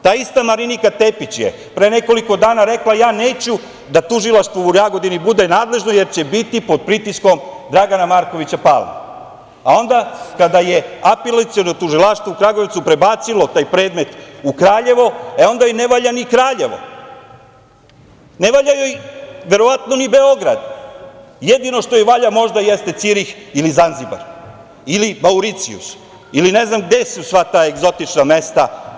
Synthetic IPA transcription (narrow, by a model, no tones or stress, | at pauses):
t̪aːist̪amaɾinikat̪e̞pit͡ɕje̞̰ | pɾejne̞ko̞liko̞d̪aːnaɾe̞klajaːne̞ːt͡ɕu | d̪at̪uʒilˠaʃt̪ʋouɾaɡo̞d̪inibud̪e̞naːd̪le̞ʒnoje̞ɾt͡ɕe̞bit̪ipo̞d̪̚pɾit̪isko̞md̪ɾaɡanamaːɾko̞ʋit͡ɕapa̰lma̰ | ao̞nd̪akad̪aje̞apelat̪sio̞not̪uʒilaʃt̪vʋoukɾaɡot̪supɾe̞baːt̪silo̞t̪aːjpɾe̞ːd̪me̞t̪ukɾaːʎe̞ʋo̞eo̞nd̪ajoneʋaːʎanikɾaːʎe̞ʋo̞̰ | ne̞ʋaːʎajojʋe̞ɾo̞ʋat̪no̞nibe̞o̞ɡɾad̪ | jed̪ino̞ʂt̪o̞jeʋaʎamo̞ʐd̪ajest̪e̞t̪siɾix | ilizanziba̰ɾ | ilimauɾit̪siṵs | iline̞znamɡd̪e̞susʋat̪aːeɡzo̞t̪it͡ʂnamest̪a